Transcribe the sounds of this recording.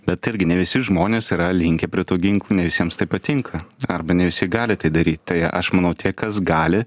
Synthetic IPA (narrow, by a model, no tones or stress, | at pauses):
bʲɛt̪ɪɾʲɡʲɪnʲɛʋʲɪsʲɪʒmoːnʲeːsiːɾɐlʲɪŋʲkʲɛpʲɾʲiɛt̪uːɡʲɪŋklˠuːnʲɛʋʲɪsʲiɛmst̪ɐɪpɐt̪ʲɪŋkʰɐɐrbɐnʲɛʋʲɪsʲɪɡɑːlʲɪt̪ɐɪd̪ɐɾʲiːt̪ʲt̪ɐɪɐʔɐʃmɐnɐʊt̪ʰʲiɛkɐsɡɑːlʲɪ